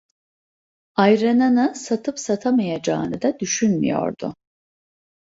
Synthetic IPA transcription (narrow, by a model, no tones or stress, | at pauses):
ajɾananɯsat̪ʰɯpsat̪ʰamajad͡ʒa̰ːnɯd̪ad̪yʃynmy̰jo̞̰ɾd̪ʊ̰